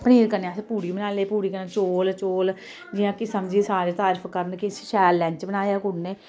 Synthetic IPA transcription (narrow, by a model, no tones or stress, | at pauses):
pəniːɾkəneãspuːɾiːbənaːleːpuːɾiːkənẽːt͡ʃoːlt͡ʃoːl | d͡ʒɪjãːkɪsəmd͡ʒisaːɾeːt̪aːɾpʰkəɾənkɪsʃɛːlːɛ̃ːɲt͡ʃbənaːjaːkʊnneː